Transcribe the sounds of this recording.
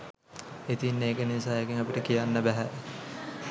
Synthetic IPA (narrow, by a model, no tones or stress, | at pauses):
et̪inːeːkənisaːekiŋapiʈəkijanːəbæɦæ